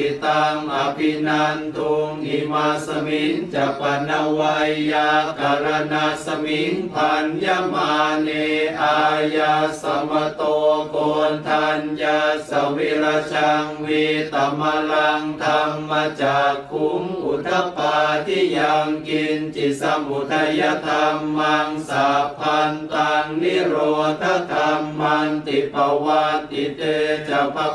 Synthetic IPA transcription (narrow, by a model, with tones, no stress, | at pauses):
it̪aŋapinant̪u˧ŋimasəmiŋd͡ʒa˨pana˧wajjaka˨ɾanasə˧miŋpʰanjamaneajasa˧ma˧t̪ɔkɔnt̪ʰanjasaweɾat͡ʃaŋwi˧t̪a˨˩ma˧la˧ŋt̪ʰa˧mːaː˧t͡ɕaː˨˩kʰːu˧˦ŋʔu˨˩t̪ʰːa˧˥paː˧t̪ʰiː˥˩ja˧ŋki˧nt͡ɕi˨˩sa˧mbu˨˩t̪ʰa˧ja˧t̪ʰa˧mːa˧ŋsaː˨˦pʰa˧nt̪aː˧ŋni˥˩ɾoː˧t̪ʰːa˧˥˩k̪a˧mːa˧nt̪i˨˩pa˧wa˧t̪i˨˩t̪eː˧t͡ɕa˨˩pʰa˧